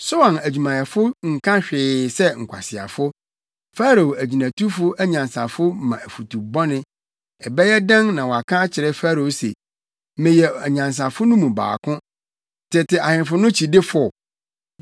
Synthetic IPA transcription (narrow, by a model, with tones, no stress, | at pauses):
so˦wã˨næ˨d͡ʑᶣu˨mã˨jɛ˨fʊ˦ŋ̩˨kʰã˦ɕᶣɪ˨sɛ˦ŋ̩˨kʰʷa̰˨sɪ˨a̰˨fʊ˦ | fa˦ɾo˨o˨æ˨d͡ʑi˨næ̃˨tʰu˦fʊ˦ʔæ˦ɲã˨nsa˨fʊ˦mã˨æ˨fu˨tʰu˨bɔ˦nɪ̃˦ | ɛ˨bɛ˦jɛ˦dã˦ŋnã˨wɔ˨a˨kʰã˦t͡ɕʰɪ˨ɾɛ˦fa˦ɾo˨˦sḛ˨˦ | mɪ̃˨jɛ˨æ˨ɲã˨ns̬ã˨fʊ˦nʊ̃˦mũ˨ba̰ː˨kʰʊ̃˦ | tʰɪ˨tʰɪ˨a˨hɪ̃˨n˨fʊ˦nʊ̃˦t͡ɕʰi˨dɪ˦fʊ˦˨